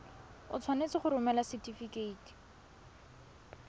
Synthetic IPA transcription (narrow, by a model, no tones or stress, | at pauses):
ʊ̰t͡sʰwanet͡sɪχʊɾʊmɛlasɪtifikeiːti̥